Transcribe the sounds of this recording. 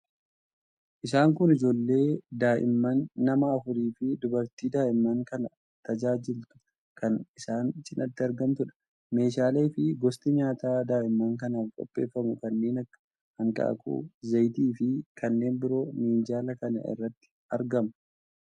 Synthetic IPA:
ʔɪsaːŋkʊnɪd͡ʒo̞ːlːe̞ːd̪aːʔɪ̰mːɐnːɐmɐːfʊɾiːfɪd̪ʊbɐɾt̪iːd̪aːʔɪmːɐŋkɐnɐ | t̪ɐd͡ʒaːd͡ʒɪlt̪ʊ̥ | kɐnɪsaːnt͡ʃɪnʔɐt̪ːɪɐɾɡɐmt̪ʊᶑɐ̥ | me̞ːʃaːleːfɪɡɔst̪ɪɲaːt̪aːd̪aːʔɪmːaːŋkɐnaːfkʼɔ̰pʼːeːfːɐmʊkɐnːe̞ːnɐkːɐ̥ | hɐŋkʼa̰ːkʰṵːzɐjt̪iːfɪkɐnːe̞ːmbɪɾo̞ːmiːnd͡ʒaːlɐkɐnɐ̰ʔɪ̰rːɐt̪ːɪ̥ | ɐɾɡɐmɐ

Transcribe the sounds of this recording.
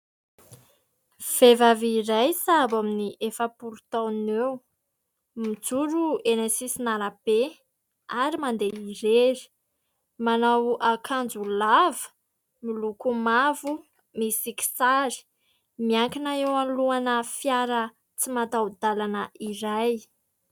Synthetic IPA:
v̥evaviɾajsabaminiʔefapuɾut̪awnew | mid͡zuɾuenesisinaɾab̥e | aɾimand̪eiɾeɾi̥ | manawakʰand͡zulavə̥ | milukumavu | misiki̥saɾi̥ | miaŋkinaewaluanəfjaɾə | t͡simat̪awd̪alanəʔiɾaj

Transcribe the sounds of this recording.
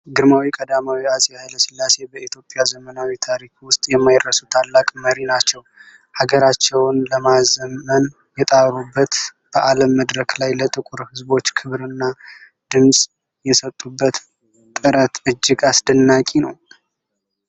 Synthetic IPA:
ɡɨɾmawikʼəd̪amawiasʼijaheləsɨlːase̞bəit̪ʰjo̞pʼjazəmənawit̪ʰaɾikwʊst̪ʼjɛmːajd̪ɾəsut̪ʰalːakʼməɾinat͡ʃːɛw | haɡəɾat͡ʃːɛwnləmazəmːən | jɛt̪ʼaɾubːət̪ | b̥əʔaləmːəd̪ɾəkʰlajlət̪ʼɨkʼuɾhɨzbo̞t͡ʃːkʰɨβɾɨnːa | d̪̥ɨmsʼ | jɛsət̪ʼːubːət̪ | t̪ʼːɨɾət̪ɨd͡ʒːɪɡasd̪ənːakʼinəw

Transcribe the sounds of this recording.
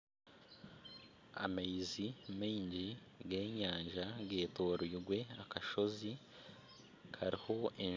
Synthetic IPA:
a̰majizimiːɲɟi | ɡe̞ːɲaːɲʒaɡe̞ːto̞ːɾiːɾɡwe̞akaʃo̞zi | kʰaɾiho̞e

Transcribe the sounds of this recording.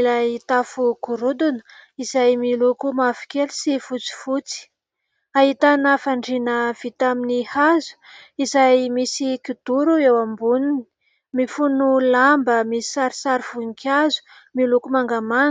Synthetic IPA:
lait̪afukuɾud̪unə̥izajmilukumafi̥kelusifut͡si̥fut͡si̥ | aɦit̪anafaɳɖ͡ʐinəv̥it̪aminihazu̥izajmisikud̪̥uɾuewambunini̥ | mifunulambəmisi̥saɾisaɾiv̥unkʲʰazu̥ | milukumaŋɡaman

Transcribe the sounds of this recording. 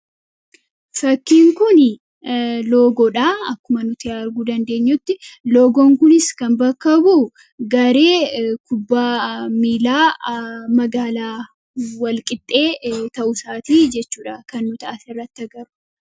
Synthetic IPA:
fɐkːiːŋkʊn | lo̞ːɡɔᶑaːɐkːʊmɐnʊt̪ɪaɾɡuːd̪ɐnd̪e̞ːɲːʊt̪ːɪlo̞ːɡoːŋkʊnɪskɐmbɐkːɐbu | ɡɐɾe̞ːkʊbːaːmiːlaːmɐɡaːlaː | wɐlkʼɪt̪ʼːe̞ːt̪ɐʔʊsaːt̪iːd͡ʒɛt͡ʃːuːᶑɐkɐnːʊt̪ɐʔɐsɪrːɐt̪ːɐɡɐɾʊ̥

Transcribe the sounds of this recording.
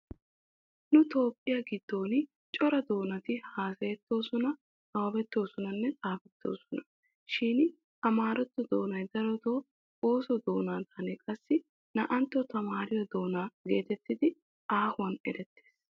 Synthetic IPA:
nʊt̪o̞ːpʼːɪjaɡɪd̪̥ːo̞ːnɪ | t͡ʃʼɔɾɐd̪o̞ːnɐt̪ɪhaːsɐjɛt̪ːo̞ːsɔnɐ | t͡sʼɐwɐbɛt̪ːo̞ːsɔnɐnːɛt͡sʼaːfɛt̪ːo̞̰ːsɔnɐ̥ | ʃiːn | ɐmaːɾɔt̪ːɔd̪o̞ːnɐjd̪ɐɾɔt̪oː | oːsɔd̪o̞ːnaːd̪aːneːkʼɐsːɪ | nɐʔɐnt̪ːɔt̪ɐmaːɾɪjɔd̪o̞ːnaːɡe̞ːt̪ɛt̪ːɪd̪ɪ | aːhʊwɐnɛ̰ɾɛt̪ːe̥ːs

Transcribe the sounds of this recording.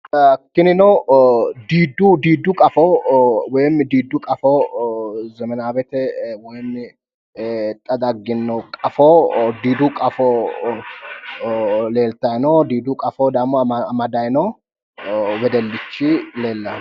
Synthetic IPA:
kːɪnɪnɔ | d̪iːd̪ːʊd̪iːd̪ːʊkʼɐfɔwɔjmːɪd̪iːd̪ːʊkʼɐfɔ | zɛmɛnaːbɛt̪ɛwɔjmːɪ | t̪ʼɐd̪ɐɡːɪnːɔkʼɐfɔd̪iːd̪ʊkʼɐfɔ | leːlt̪ɐjnɔd̪iːd̪ʊkʼɐfɔd̪aːmɔɐmɐd̪ɐjnɔ | wɛd̪ɛlːɪt͡ʃːɪle̞ːlːɐ

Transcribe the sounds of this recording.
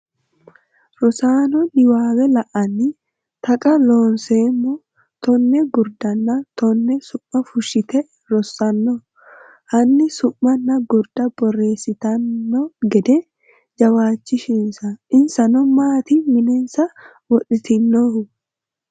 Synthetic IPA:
ɾɔsaːnɔnɪwaːwɛlɐʔɐnɪ | t̪ɐkʼɐloːnseːmːɔ | t̪ɔnːɛɡʊɾd̪ɐnːɐt̪ɔnːɛsʊmːɐfʊʃɪt̪ɛ | ɾɔsːɐnːɔ | hɐnːɪsʊmːɐnːɐɡʊɾd̪ɐbɔrːe̞ːsːɪt̪ɐnːɔɡɛd̪ɛ | d͡ʒɐwaːt͡ʃːɪʃɪnsɐɪnsɐnɔmaːt̪imɪnɛnsɐ | wɔᶑɪt̪ɪnːɔʊ

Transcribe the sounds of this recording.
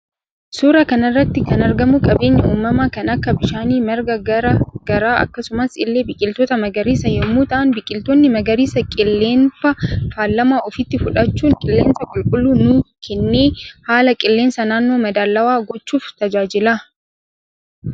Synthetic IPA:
suːɾɐkɐnɐrːɐt̪ːɪkɐnɐɾɡɐmʊkʼɐbe̞ːɲːɐuːmːɐmɐkɐnɐkːɐbɪʃaːniːmɛɾɡɐɡɐɾɐɡ̥ɐɾaːɐ̰kːɐsʊmɐsɪlːe̞ːbɪkʼɪlt̪ɔːt̪ɐmɐɡɐɾiːsɐjɛmːuːt̪ɐʔɐnbɪkʼɪlt̪ɔnːɪmɐɡɐɾiːsɐkʼɪlːe̞ːnfɐfaːlːɐmaːʔɔfɪt̪ːɪfʊᶑɐt͡ʃːuːŋkʼɪlːe̞ːnsɐkʼʊlkʼʊlːuːnʊ | kʰɛnːeːhaːlɐkʼɪlːe̞ːnsɐnaːnːo̞ːmɐd̪aːlːɐwaːɡɔt͡ʃːuːft̪ɐd͡ʒaːd͡ʒɪlaː

